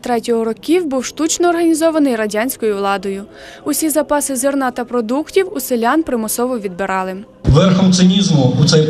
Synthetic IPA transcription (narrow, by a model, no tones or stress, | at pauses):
t̪ɾɛtʲɔɦɔɾɔkʲiwbuwʃt̪ut͡ʃnɔːrɦɐnʲizɔʋɐnɪjrɐdʲanʲsʲkɔjʊʋlˠɑd̪ɔjʊ | ʊsʲizɐpɑsɪzɪrnɑt̪ɐpɾɔd̪uktʲiwuselʲanpɾɪmɔsɔʋɔʋʲid̪̚beɾɑlˠɪ | ʋɛɾxɔmt̪sɪnʲizmʊut̪sɛj